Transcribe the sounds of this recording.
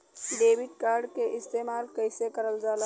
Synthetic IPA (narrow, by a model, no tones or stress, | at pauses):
ɖeːbɪɖ̚kaːɾɖkeʔɪst̪eːmaːlkəɪsekəɾəld͡ʒaːlə